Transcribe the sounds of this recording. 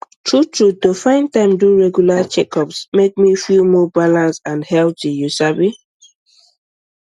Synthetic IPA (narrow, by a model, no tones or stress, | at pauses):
tʰɹutʰɹudofãɪ̃ntãɪ̃mduɹɛɡjulat͡ʃɛkʰɔpsmek̚mifilmɔbalãnsãnhɛlˠtijusabi